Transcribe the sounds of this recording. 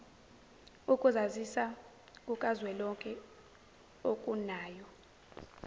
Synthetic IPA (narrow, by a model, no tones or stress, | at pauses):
ukʼuzazisa | kʼukʼazwɛlɔkʼɛ | okʼunaːjɔ